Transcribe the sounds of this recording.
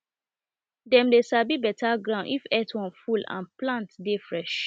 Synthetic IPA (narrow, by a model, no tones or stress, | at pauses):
dɛ̃mdesabibɛtaɡɹãʊ̃nʔifɛtwɔ̃nfulã̰nplãntdefɹɛʃ